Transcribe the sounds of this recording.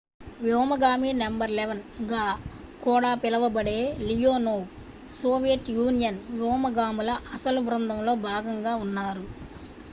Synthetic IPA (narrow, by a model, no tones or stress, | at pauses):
ʋjɔːmɐɡaːmiːnɐmbɐɾleʋɐnɡaː | kɔːɽaːpilɐʋɐbɐɽeːlijoːnoː | soːʋijɐʈjuːnijɐnʋjɔːmɐɡaːmulɐʔɐsɐlubɾɐnd̪ʱɐmlo̞ːbʱaːɡɐŋɡaːunːaːɾu